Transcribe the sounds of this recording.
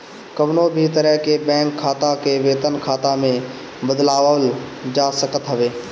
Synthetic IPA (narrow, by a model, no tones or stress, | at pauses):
kəʋnobʱit̪əɾəɦkebɛ̃ːŋkʰːaːt̪akeʋeːt̪ənkʰaːt̪amẽ | bəd̪laːʋəld͡ʒaːsəkət̪ɦəʋeː